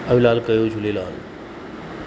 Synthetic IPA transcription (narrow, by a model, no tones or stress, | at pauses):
əĩlalkəjod͡ʒʱulelal